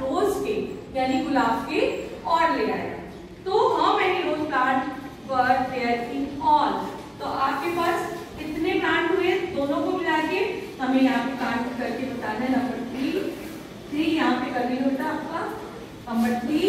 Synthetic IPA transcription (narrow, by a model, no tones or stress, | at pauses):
ɾoːzkejaːnixʊlaːbkeɔːɾleːɡa̰ːḛa̰ | t̪oɦɐmmɛːniɾoːzkãːʈ | ʋɐɾd̪eəɾkĩɔːlt̪oʔaːp̚kepaːs | ɪt̪nepaːnʱɦued̪oːnõkomɪlaːkehɐmẽjɐɦãpekãːʈkokɐɾkebɐt̪aːnãɦɛnɐ̃mbəɾʰʱiːl | t̪ʰijɐɦãpekɐɾbiːnɦoːt̪aaːp̚ka | ɦɐmbəʈt̪ʰiː